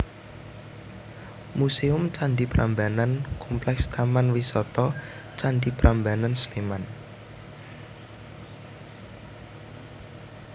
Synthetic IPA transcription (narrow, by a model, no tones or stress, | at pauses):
museʊmt͡ʃaɳɖipɾambanankʰɔmplɛkst̪amanwisɔt̪ɔ | t͡ʃaɳɖipɾambanansleman